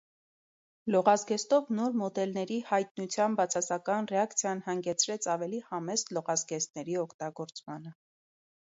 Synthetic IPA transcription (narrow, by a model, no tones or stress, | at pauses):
lɔʁɑzɡɛst̪ɔvnɔɾmɔd̪ɛlnɛɾihɑjt̪̚nut͡sʰjɑmbɑt͡sʰɑsɑkɑnrɛɑkt͡sʰjɑnhɑŋɡɛt͡sʰɾɛt͡sʰɑvɛlihɑmɛslɔʁɑzɡɛst̪nɛɾiɔkʰt̪ɑɡɔɾt͡smɑnə